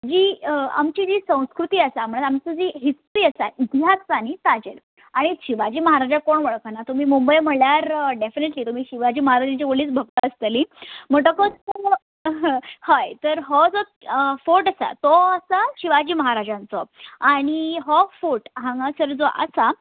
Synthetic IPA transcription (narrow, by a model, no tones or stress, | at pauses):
d͡ʑiːa̰mt͡ɕid͡ʑiːsə̃w̃skɾut̪iːəsam̤əɳɽ̃ət̪amt͡səd͡ʑiɦisʈɾiːəsait̪iɦaspanit̪ad͡ʑeɾ | aɽ̃iɕiʋad͡ʑiːməɦaɾad͡ʑakoɳʋəɭkanat̪um̤iːmumbəjm̤əɭljaɾɖefineʈliːt̪um̤iːɕiʋad͡ʑiːməɦaɾad͡ʑant͡ɕiʋoɭiːt͡sbʱəɡ̚t̪əəst̪əlim̤əɡʈəkɔ | ɦhajt̪əɾɦɔd͡zɔ | foʈasa̰t̪ɔəsaɕiʋad͡ʑiːməɦaɾad͡ʑãnt͡sɔaɽ̃iɦɔfuʈɦãŋɡasəɾd͡zɔʔa̰sa